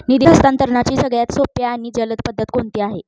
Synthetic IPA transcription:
nid̪iɦəst̪ant̪əɾɳat͡ɕiːsəɡɭjat̪sopjaːɽ̃iːd͡ʑələt̪pəd̪ʱːət̪koɳt̪iːaɦe

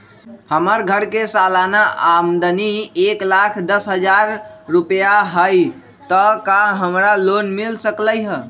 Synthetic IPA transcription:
həməɾɡʱəɾkesalanaʔamd̪ənieklakʰd̪əsɦəd͡ʒaɾːupjaɦəj | t̪əkaɦəmɾalonmilsəkləjɦə

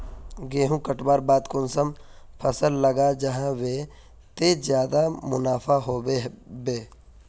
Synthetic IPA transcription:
ɡeːɦũkəʈbaːɾbaːd̪kʊnsəm | pʰəsəlːəɡad͡ʒɐɦãwe | t̪ezjaːd̪amʊnaːpʰaɦoːebeː

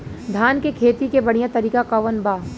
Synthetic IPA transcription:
d̪ʱaːnkekʰeːt̪ikebɐɽ̤ijãt̪ɐɾiːkakɐʋənbaː

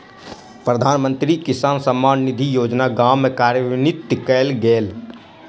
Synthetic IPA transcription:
pɾəd̪ʱaːnmə̃nt̪ɾikɪsaːnsəmːaːnːɪd̪ʱijoːd͡ʒnaɡaːmːẽkaːɾjəʋnɪt̪ːkɛːlɡeːl

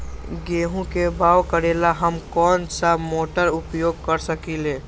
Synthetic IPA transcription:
ɡeːɦũkebaːwkəɾelaɦəmkɔːnsamoːʈəɾʊpjoːɡ̚kəɾsəkileː

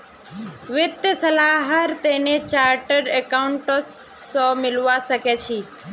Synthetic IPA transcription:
ʋɪt̪jəsəlaːɦəɾt̪enet͡ʃaːɾʈəɖekaʊɳʈos | õmɪlʋasəket͡ʃʰi

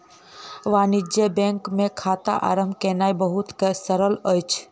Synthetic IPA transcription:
ʋaːnid͡ʒjebẽːŋkmẽkʰaːt̪a̰ʔa̰ːɾəmbkeːnaːjbəɦut̪kesəɾələjt͡ʃʰ

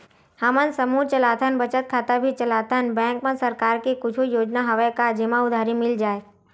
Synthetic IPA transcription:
hamənsəmuːt͡ʃəlaːt̪ʰənbət͡ʃət̪̚kʰaːt̪abʱit͡ʃəlaːt̪ʰənbɛ̃ːŋkmẽsɐɾkaːɾkekʊt͡ʃʰujoːd͡ʒnaɦɐʋəjkad͡ʒɪmaʊd̪ʱaːɾimɪld͡ʒaːe

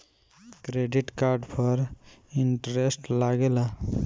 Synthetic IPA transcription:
kɾeɖiʈkaɾɖpʰʌɾiɳʈɾesʈlaɡela

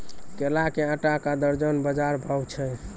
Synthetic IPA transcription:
kelakeəʈakad̪əɾd͡ʒənbəd͡ʒaɾbʱɔbt͡ʃʰɛ

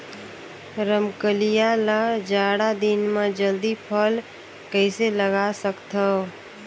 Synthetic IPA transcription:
ɾəmkəlijalad͡ʒaːɽad̪inmẽd͡ʒəld̪ipʰəl | kəɪseləɡasəkt̪ʰə

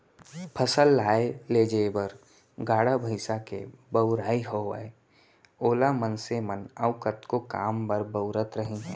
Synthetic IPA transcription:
pʰəsəlːaːeleːd͡ʒebəɾ | ɡaːɽabʱəɪsakḛbəʊɾaːiɦoə̰e | oːlamənsemənəʊkət̪koka̰ːmpəɾbəʊɾət̪ɾəɦĩɦɛ

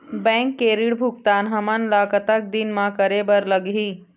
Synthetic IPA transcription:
bɛ̃ŋkːeːɾiɽbʱukt̪aːnɦəmənlaːkət̪ak̚d̪inmãkəɾebəɾləɡɦiː

